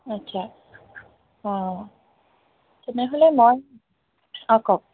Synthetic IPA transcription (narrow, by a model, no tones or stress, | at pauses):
atːsʰa | ɔ | tenɛɦolɛmoj | ɔkɔk̚